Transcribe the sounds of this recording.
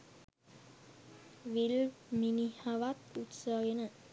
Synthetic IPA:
ʋilminihaʋat̪ut̪səɡenə

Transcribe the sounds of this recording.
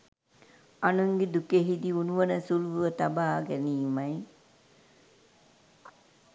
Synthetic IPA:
anuŋɡed̪ukeɦid̪iunuʋənəsuluʋuʋət̪abaːɡæniːmɐj

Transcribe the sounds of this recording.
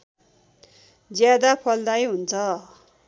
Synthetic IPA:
d͡zjad̪apʰʌld̪ajɦunt͡sʰʌ

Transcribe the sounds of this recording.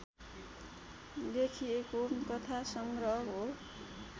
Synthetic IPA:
d̪ekʰiekonkʌt̪ʰasʌŋɡrʌɦʌɦo

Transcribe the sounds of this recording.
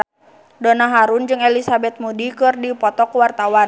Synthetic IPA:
donaɦaɾund͡ʒɨŋɛlisabɛt̪̚mudikɨrdipɔt̪ɔkwart̪awan

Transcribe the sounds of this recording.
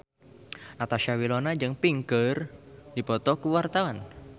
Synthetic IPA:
nat̪aʃiawilonad͡ʒɨŋpiŋkərdipɔt̪ɔkuwart̪awan

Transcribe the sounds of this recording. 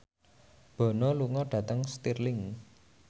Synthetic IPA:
b̥ɔ̤nɔluŋɔɖ̥ä̤t̪əŋst̪irlɪŋ

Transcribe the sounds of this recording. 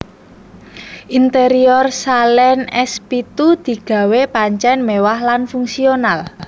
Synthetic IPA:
ʔint̪eɾiɔrsalɛnɛspit̪ud̪̥i̤ɡ̥ä̤wepaɲt͡ʃɛnmewahlanfuŋsional

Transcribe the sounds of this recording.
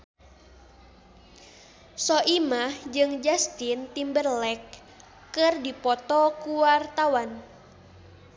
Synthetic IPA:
sɔʔimahd͡ʒɨŋd͡ʒast̪int̪imbərlɛkː | ɨrdipɔt̪ɔkuwart̪awan

